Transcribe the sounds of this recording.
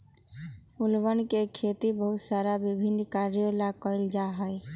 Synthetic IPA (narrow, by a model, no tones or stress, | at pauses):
ulbənkekʰet̪ibəɦut̪saɾabibʱinkaɾjolakɔɪld͡ʒaɦəj